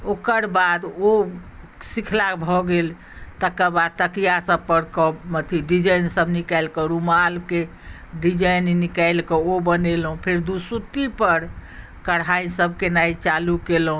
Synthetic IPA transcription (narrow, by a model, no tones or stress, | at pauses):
okəɾbad̪o | sikʰlakbʱɔɡel | t̪əkəbad̪̚t̪əkijasəb̚pəɾkɔmət̪ʰiɖid͡ʒəjnsəbʱnikajlkɔɾumalke | ɖid͡ʒəjnːikajlkɔobənelɦũpʰeɾd̪usut̪ipəɾ | kəɽɦaisəbʱkenait͡ʃalukelɦũ